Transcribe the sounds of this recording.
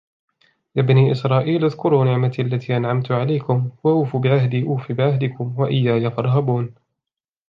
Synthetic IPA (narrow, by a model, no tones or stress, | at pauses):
jaːbaniːʔɪsɾˤɑːʔiːlʔaðkʊɾuːnɪʕmat̪ːʔalːat̪ʰiːʔanʕamt̪ʊʕalajkʊmwaʔuːfuːbɪʕahd̪iːʔuːfiːbɪʕahd̪ɪkʊmwaʔɪjːaːjafɑɾˤɦabuːn